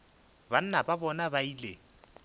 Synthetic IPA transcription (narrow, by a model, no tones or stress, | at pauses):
ban̩nababɔnabaiːle